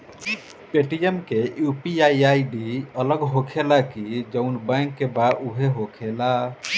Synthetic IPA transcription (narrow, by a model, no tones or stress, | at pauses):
peʈijemkejupiaiaiɖiələɡɦokʰelakid͡ʒəʊnbɛ̃ŋkːebauɦeɦokʰela